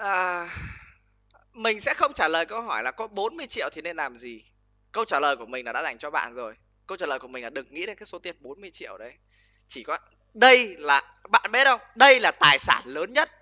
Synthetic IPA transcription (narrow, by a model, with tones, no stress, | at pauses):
ʔəː˨˩ | mï˨˩ŋ̟sɛ̰˧˥xə˧wŋ͡mt͡ɕaː˧˩ləː˨˩jkə˧wɦɔ˧˩jlaː˨˩kɔ˨˦ɓo˨˦nmɨ˧əjt͡ɕḭ˧˨wt̪ʰi˨˩ne˧nlaː˨˩mzi˨˩ | kə˧wt͡ɕaː˧˩ləː˨˩jku˧˩əmï˨˩ŋ̟lːaː˨ɗa̰ː˧˥za˧˩jŋ̟t͡ɕɔ˧ɓa̰ː˧˨nzo˨˩j | kə˧wt͡ɕaː˧˩ləː˨˩jku˧˩mï˨˩ŋlaː˨˩ɗɨ˨˩ək̚ŋḭ˧˥e˧nkaː˨˦˥kso˨˦t̪i˧˩ənɓo˨˦nmɨ˧əjt͡ɕḭ˧˨əwɗə˨˦j | t͡ɕi˧˩kɔ˨˦ | ɗə˧jlaː˨˩ | ɓa̰ː˧˨nɓɛ˦˥ə˧wŋ͡mɗə˧jlaː˨˩t̪aː˨˩jsa̰ː˧˩nləː˨˦nɲə˦˥t̚